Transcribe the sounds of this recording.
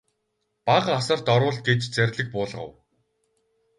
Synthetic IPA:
paʁasə̆r̥t̪ɔɾwʊ̆ɮt̪̚ɡet͡ɕt͡sæɾʲɮɘ̆k̚pʊːɮʁə̰̆w

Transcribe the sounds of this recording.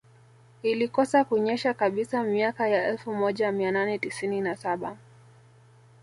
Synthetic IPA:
ilikɔsakuɲɛʃakaɓisamiakajaɛlfumɔʄamiananɛtisininasaɓa

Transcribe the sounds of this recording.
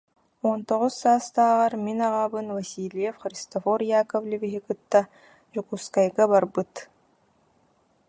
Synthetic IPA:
ɔnt̪oʁʊsːaːst̪aːʁɑɾminɑʁaːbɯnvɐsʲilʲijɛfχɾʲist̪ofɔɾjaːkovlʲiviɦikɯt̪ːa | d͡ʒukuskajɡabaɾbɯt̪

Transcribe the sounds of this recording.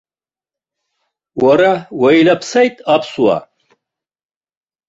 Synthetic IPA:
waɾawajlapʰsajtʼapʰswa̰

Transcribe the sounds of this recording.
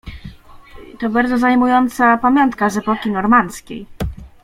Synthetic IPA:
t̪ɔbaɾd̪ɔzajmujɔnt̪sapamʲjɔnt̪kaʐɛpɔkʲinɔɾmant̪skʲḛj

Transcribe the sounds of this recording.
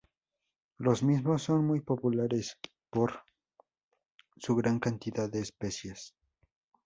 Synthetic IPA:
losmismosːo̞nmujpopulaɾes | poɾ | suɣɾaŋkant̪iðaðːe̞ːspesjes

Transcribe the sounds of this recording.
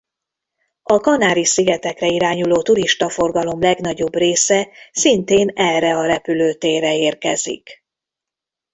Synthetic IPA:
ɒkɒnaːɾisiɡɛt̪ɛkrɛiɾaːɲuloːt̪uɾiʃt̪ɒfo̞rɡɒlo̞mlɛɡnɒɟo̞breːsɛsint̪eːnɛrːɛɒɾɛpyløːt̪eːrɛeːrkɛzḭk

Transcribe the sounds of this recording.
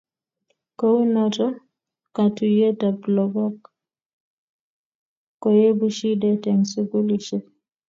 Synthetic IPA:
kɔwnɔtɔ | katujɛtablɔɡɔk | kːɔjebuʃidɛtɛŋsuɡuliʃɛ

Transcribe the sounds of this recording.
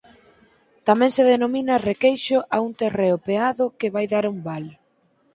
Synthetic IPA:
t̪amɛ̃ŋseðenomĩnɐrekejʃʊʔaunt̪ereopeaðʊkɪβajðaɾumbal

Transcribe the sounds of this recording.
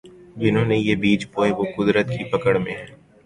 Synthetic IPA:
d͡ʒɪnõːnejebiːt͡ʃpoːeʋokʊd̪ɾət̪kipɐkəɽmẽɦɛː

